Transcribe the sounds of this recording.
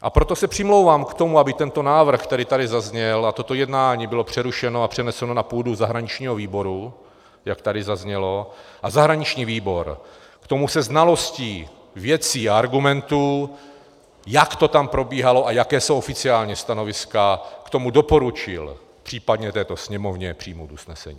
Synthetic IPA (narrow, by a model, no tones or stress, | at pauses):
ʔa̰pɾo̞t̪o̞sɛpr̝̥ɪmlo̞wvaːmkt̪o̞muabɪt̪ɛnt̪o̞naːvr̩xt̪ɛɾɪt̪aɾɪzazɲɛlat̪o̞t̪o̞jɛdnaːɲiːbɪlo̞pr̝̥ɛɾuʃɛnoapr̝̥ɛnɛsɛno̞napuːduzaɦɾaɲɪt͡ʃɲiːɦo̞viːbo̞ɾu | jakt̪adɪzazɲɛlo̞ʔazaɦɾaɲɪt͡ʃɲiːviːbo̞ɾ | kt̪o̞musɛznalo̞sciː | vjɛt͡siːaaɾɡumɛnt̪u | jakt̪o̞t̪ampɾo̞biːɦalo̞ʔajakɛːsowʔofɪt͡sɪaːlɲɛst̪ano̞vɪskakt̪o̞mudo̞po̞ɾut͡ʃɪ̰l | pr̝̥iːpadɲɛt̪ɛːt̪o̞sɲɛmo̞vɲɛpr̝̥iːmowt̪usnɛsɛ̰ɲḭː